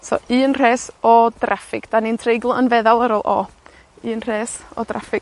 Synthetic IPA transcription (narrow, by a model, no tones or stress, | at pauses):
sɔ̰ɨːnr̥eːsɔdrafɪɡ̥d̥anintʰrejɡlˠənvɛðalˠəɾɔlˠʔɔ̰ | ɨːnr̥eːsɔ̰dra̰fɪɡ